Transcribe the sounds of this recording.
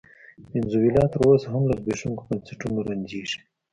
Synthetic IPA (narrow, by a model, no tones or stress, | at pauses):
ɪnzuwilɑt̪əɾosaɦamlazbeʂuŋkobɐnseʈunoɾand͡ʑiʂi̥